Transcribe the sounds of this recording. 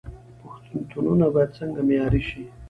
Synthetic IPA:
pʊxt̪unt̪ununabɑjad̪̚t͡səŋɡamjɑɾiʃi

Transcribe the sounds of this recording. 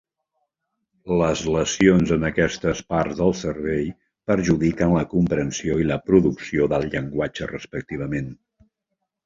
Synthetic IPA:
ləzləsionzənəkɛst̪əspaɾzðəlˠsərβɛj | pəɾʒuðikənləkumpɾənsioiləpɾuðuksioðəlˠʎəŋɡwad͡ʒərəspək̚t̪iβ̞əmen

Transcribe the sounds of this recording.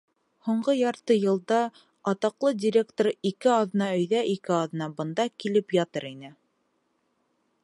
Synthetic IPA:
huɴɢɤjɑɾt̪ɤjɤ̆lˠd̪ɑ | ɑt̪ɑqlˠɤdʲɪɾʲekt̪oɾikɘɑð̆nɑɵ̆jðæʔikɘɑð̆nɑbɤ̆nd̪ɑkilɘpjɑt̪ɤɾinɘ

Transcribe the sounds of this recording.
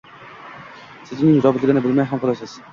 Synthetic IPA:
sɪzɪnɪŋɾɒbɪt̪lɪɡʲɪnɪbɪlmajɦamqɑlaʃas

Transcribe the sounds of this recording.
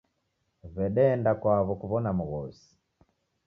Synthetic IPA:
βɛɗɛːndakwaβɔkuβɔnamuɣɔsi̥

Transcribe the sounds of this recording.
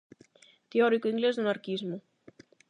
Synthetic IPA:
t̪eɔɾikuiŋɡlezd̪unaɾkizmu

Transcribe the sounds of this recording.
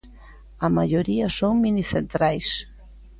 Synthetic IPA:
ɐmaʎoɾiɐsoŋminiθent̪ɾajs

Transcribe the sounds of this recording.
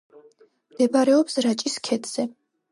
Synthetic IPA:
md̪̥ɛbaɾɛɔpsɾat͡ʃʼiskʰɛd̪ʰz̥ɛ

